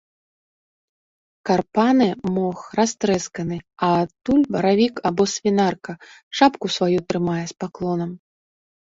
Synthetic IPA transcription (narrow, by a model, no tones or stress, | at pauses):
karpanɨmɔxrast̪ɾɛskɐnɨɐːt̪ːulʲbɐɾavʲikabɔsvʲinarkɐʂapkusvajut̪ɾɨmajɛspaklˠɔnɐm